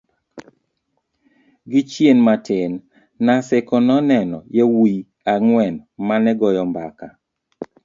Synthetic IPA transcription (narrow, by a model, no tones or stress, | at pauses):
ɡɪt͡ʃjenmatʰɪnː | asɪkɔnɔnɛnɔ̰jewi | aŋwɛnmanɛɡɔjɔmba̰ka